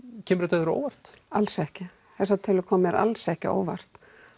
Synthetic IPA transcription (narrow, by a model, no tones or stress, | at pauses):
cʰɛːmɾɛt̪aðʏɾo̰ːwvar̥t̪alsɛhcɪ | θɛsːat̪ʰɪlɪkʰɔːmɛɾa̰lsɛhcɪo̰ːwva̰r̥t̪